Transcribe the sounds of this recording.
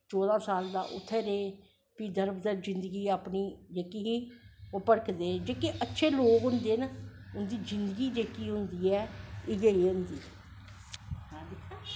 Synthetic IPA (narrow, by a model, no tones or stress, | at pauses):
t͡ʃɔːd̪ãːsaːld̪a̰ːʔʊt̪ʰːeːɾeː | piːd̪əɾbd̪aːd͡ʒɪnd̪əɡiːaːpniːd͡ʒeːkiɦiːopəɽəkd̪eːd͡ʒeːkiʔətːʃʰeːloːkɦʊnd̪eːnəʊnd̪iːzɪnd̪əɡiːd͡ʒeːkiːɦʊnd̪iːɛːɪɡəiːɦʊnd̪iː | ɦãːd̪ɪkʰː